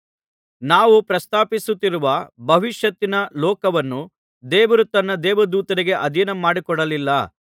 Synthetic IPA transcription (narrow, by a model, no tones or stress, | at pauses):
naːʋupɾɐst̪aːpisut̪ːiɾuʋɐbʱɐʋiʃjɐt̪ːinɐlɔːkɐʋɐnːu | d̪ɛːʋɐɾut̪ːɐnːɐd̪ɛːʋɐd̪uːt̪ɐɾiɡe̞ʔɐd̪ʱinɐmaːɽikɔɽɐlilːɐ